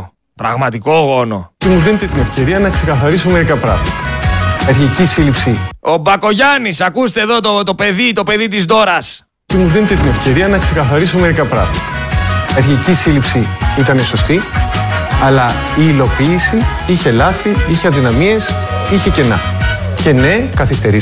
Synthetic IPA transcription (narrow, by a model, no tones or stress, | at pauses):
pɾɐɣmɐt̪iko̞ɣo̞no̞̰t̪imuðenit̪et̪ine̞fce̞ɾiɐnɐkse̞kɐθɐɾisome̞ɾikɐpɾɐ̰ɣmɐt̪ɐeɾçicisilipsio̞bɐko̞ʝɐnisɐkust̪eðo̞t̪ot̪o̞pe̞ðit̪o̞pe̞ðit̪izd̪o̞ɾɐs | t̪imuðenit̪et̪ine̞fce̞ɾiɐnɐkse̞kɐθɐɾisome̞ɾikɐpɾɐ̰ɣmɐɐ̥eɾçicisilipsiit̪ɐneso̞st̪i | ɐlɐ | iːlo̞piːsi | içe̞lɐθiiçeɐnðinɐmie̞s | içe̞ce̞nɐ̰ | ce̞ne̞kɐθist̪e̞ɾi